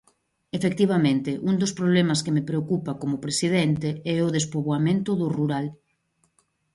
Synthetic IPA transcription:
efek̚t̪iβamẽnt̪ɪʔund̪ʊspɾoβ̞lɛmaskemepɾeokupakomʊpɾesiðɛnt̪eɛʊðespoβoamẽnt̪ʊðʊruɾal

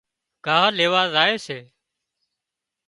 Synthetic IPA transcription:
ɡ̥ʱaːɦleːʋaːzaːeːseː

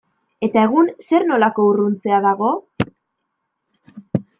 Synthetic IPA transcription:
e̞t̪ae̞ɣ̞unse̞ɾno̞lako̞urunt͡se̞aðaɣo̞

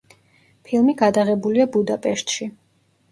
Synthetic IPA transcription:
pʰilˠmiɡad̪aʁɛbuliabud̪apʼɛʃt̪ʼʃi

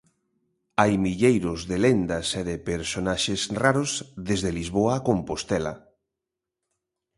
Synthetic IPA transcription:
ajmiʎejɾʊzðelend̪aseðepeɾsonaʃesraɾozðezðelizβoaːkompost̪ɛla̰

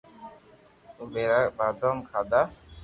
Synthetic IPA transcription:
ubeɾak̚bad̪ɔmkʰad̪a

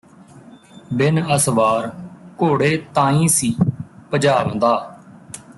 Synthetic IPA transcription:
bɪnəsʋaːɾkoːɽeːt̪ãːĩːsiːpəd͡ʒaːʋə̃nd̪aː

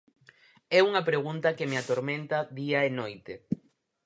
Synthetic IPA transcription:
ɛuŋɐpɾeɣunt̪akemeat̪oɾmẽnt̪aðiaenojt̪e

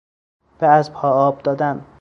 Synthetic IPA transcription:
b̥eæzpʰɒːɒːb̚d̪ɒːd̪æn

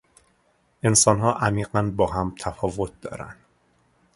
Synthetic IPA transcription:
ʔe̞nsɒːnɦɒːʔæmiːɢænbɒːɦæmt̪ʰæfɒːvo̞t̪̚ʰd̪ɒ̰ːɾæ̰nd̪̥

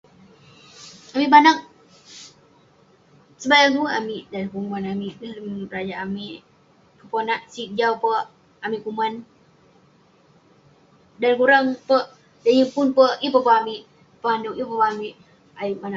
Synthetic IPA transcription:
amiʔbanak̚ | səbajaŋt̪ua̰miʔdankumanamiʔbiləmrad͡ʒaʔamiʔ | pəpənaʔsik̚d͡ʒawpə | amiʔkuman | dankuɾaŋpəʔ | dəjimpʊnpəipəpəamiʔ | pəanduk̚jipəpamiʔ | aibana

